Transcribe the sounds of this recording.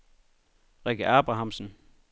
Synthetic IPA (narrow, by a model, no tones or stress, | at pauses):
ʁɛɡ̥əʔæːb̥ʁɑ̈ɦɑ̈msn̩